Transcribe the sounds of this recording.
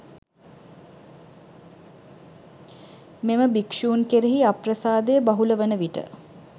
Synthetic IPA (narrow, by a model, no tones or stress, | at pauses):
meməbikʂuːnkeɾeɦiaprəsaːd̪ejːbaɦuləʋənəʋiʈə̰